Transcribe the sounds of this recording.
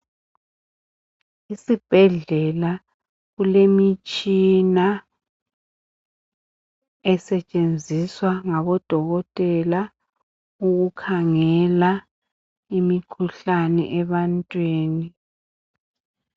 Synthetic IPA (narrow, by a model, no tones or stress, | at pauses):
isib̥ʱɛɮɛla | ɣulemit͡ʃʼina | ɛsɛt͡ʃʼend͡zʱiswaŋaβɔd̥ʱɔɣɔtʼɛla | uɣukʰaŋɛla | imikʰuɬanɛ̰ʔɛβantʼwiːni